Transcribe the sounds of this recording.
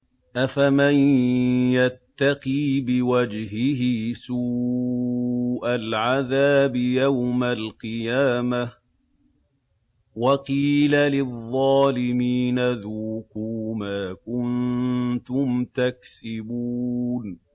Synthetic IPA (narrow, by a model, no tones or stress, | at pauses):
ʔafamanjat̪ːɑqiːbɪwad͡ʒɦɪɦɪsuː | ʔalʕaðaːbɪjawmalqɨjaːma | wɑqiːlalɪðˤːɑːlɪmiːnaðuːkuːmaːkʊnt̪ʊmt̪aksɪbuːn